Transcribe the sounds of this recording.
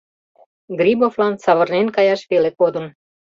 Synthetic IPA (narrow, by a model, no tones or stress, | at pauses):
ɡrʲiboflɑnsɑβərnenkɑjɑʃβelekod̪ə̆n